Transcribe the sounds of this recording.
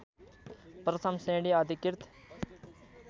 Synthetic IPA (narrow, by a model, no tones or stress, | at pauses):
pɾɐt̪ʰɐmsẽːɖiad̪ikɪɾt̪ʰ